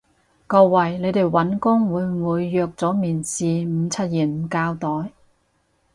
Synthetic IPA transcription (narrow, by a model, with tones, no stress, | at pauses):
kɔː˧wɐ˨˩jle˨˧jt̪e˨˩jwɐ˨˥nkʊ˥ŋwuː˨˧jwuː˨˧jːœː˨˧k̚t͡sɔː˨˥miː˨˩nsiː˨m̩˨˧t͡sʰɐ˥t̚jiː˨˩nm̩˨˩kaː˧wt̪ɔː˨˥j